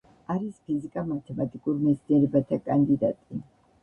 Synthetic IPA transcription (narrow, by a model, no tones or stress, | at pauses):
aɾispʰizikʼamat̪ʰɛmat̪ʼikʼuɾmɛt̪sʰniɛɾɛbat̪ʰakʼand̪id̪at̪ʼi